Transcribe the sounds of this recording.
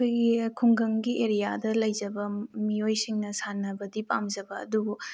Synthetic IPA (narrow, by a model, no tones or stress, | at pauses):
kʰojɡikʰuŋɡɐŋɡiʔeɾijadɐlɐjzɐbɐmiojsiŋnɐsanːɐbɐdipa̰mzɐbɐɐ̰dubu